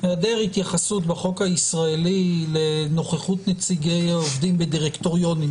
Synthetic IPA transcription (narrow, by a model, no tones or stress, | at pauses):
veadeʁhit̪jaχasut̪beχo̞khaisʁaelile̞no̞χeχut̪net͡siɡejovd̪imbediʁekt̪o̞ʁijo̞nim